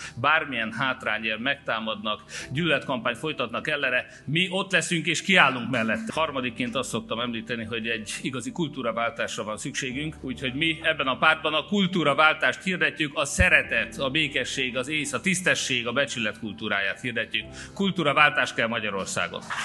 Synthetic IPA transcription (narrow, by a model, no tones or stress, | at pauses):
baːrmijɛnɦaːt̪raːɲɛvmɛk̚t̪aːmɒd̪nɒkɟyllɛt̪kɒmpaːɲt̪fo̞jt̪ɒt̪nɒkɛlːɛnɛ | miʔo̞t̪lɛsyŋkeːʃkiaːlːuŋkmɛlːɛt̪ːhɒrmɒd̪ikːeːnt̪ɒst̪so̞k̚t̪ɒmɛmliːt̪ɛniɦo̞ɟɛɟːiɡɒzikult̪uːɾɒvaːlt̪aːʃrɒvɒnsykʃeːɡyŋkuːcho̞ɟmiɛbːɛnɒpaːrd̪̚bɒnɒkult̪uːɾɒvaːlt̪aːʃt̪hiːrd̪ɛcːykɒsɛɾɛt̪ɛt̪ɒbeːkɛʃːeːɡɒzeːsɒt̪ist̪ɛʃːeːɡɒbɛt͡ʃylɛt̪kult̪uːɾaːjaːt̪hiːrd̪ɛcːyk | kult̪uːɾɒvaːlt̪aːʃt̪̚kɛlmɒɟɒɾo̞rsa̰ːɡo̰n